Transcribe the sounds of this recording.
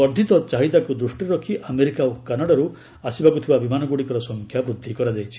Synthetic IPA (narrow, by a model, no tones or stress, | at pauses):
ɔɾd̪ʱit̪ɔt͡ʃaɦid̪akud̪ɾusʈiɾɔkʰiʔameɾikaokanaɽaɾu | asibakut̪ʰibabimanɔɡuɽikɔɾɔsɔŋkʰjabɾud̪ʱːikɔɾad͡ʒajt͡ʃʰi̥